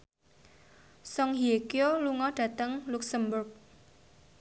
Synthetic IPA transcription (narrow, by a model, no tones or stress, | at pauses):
sɔŋɦiekioluŋɔɖ̥ä̤t̪əŋluksəmbʊrk̚